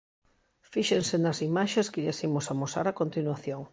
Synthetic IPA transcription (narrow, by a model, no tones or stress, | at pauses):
fiʃensenɐsimaʃeskɪʎasimosamosa̰ɾakont̪inwaθjoŋ